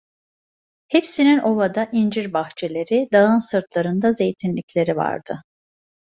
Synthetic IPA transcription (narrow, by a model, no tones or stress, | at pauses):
hepsinino̞vad̪aʔind͡ʒiɾbaxt͡ʃʰe̞lʲe̞ɾid̪aɯnsɯɾt̪lˠaɾɯnd̪aze̞jt̪ʰinlʲicʲlʲe̞ɾiva̰ɾd̪̥ɯ